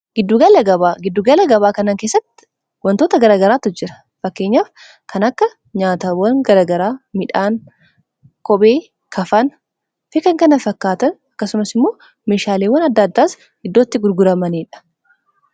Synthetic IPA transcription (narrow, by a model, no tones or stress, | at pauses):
ɡ̥ɪd̪ːuːɡɐlɐɡɐbaːɡɪd̪ːuːɡɐlɐɡɐβaːkɐnaːŋkeːsːɐt̪ːɪ | wɐnt̪o̞ːt̪ɐɡɐɾaːɡɐɾaːt̪ʊd͡ʒɪɾɐ̥ | fɐkːe̞ːɲːaːf | kʰɐnɐkːɐ | ɲaːt̪awɐŋɡɐɾaːɡɐɾaːmɪᶑaːn | kɔbe̞ː | kʰɐfɐn | fɪkɐŋkɐnɐfɐkːaːt̪ɐnɐkːɐsʊmɐsɪmːo̞ː | meːʃaːleːwːɐnɐd̪ːɐːd̪ːaːs | hɪd̪ːo̞ːt̪ːɪɡʊɾɡʊɾɐmɐniːᶑɐ̥